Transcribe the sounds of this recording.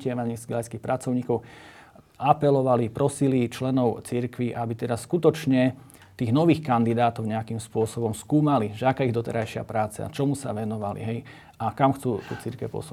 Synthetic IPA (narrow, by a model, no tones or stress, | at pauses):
cɪɛmɛɲizɡɛlajskiːxpɾat͡sɔʊɲiːkɔʊ | ʔapɛlɔʋalipɾɔsilit͡ʃlɛnɔʊt͡siɾkʋiʔabit̪ɛd̪askut̪ɔt͡ʃɲɛ | t̪iːɣnɔʋiːxkand̪id̪aːt̪ɔʊɲɛakimspʊɔsɔbɔmskuːmaliʒɛakaːiɣd̪ɔt̪ɛ̰ɾajʃɪa̰pɾaːt͡sa̰t͡ʃɔmusa̰ʋɛnɔʋalḭɦɛj | ʔakamxt͡suːt̪ut͡siɾkɛpɔ̰su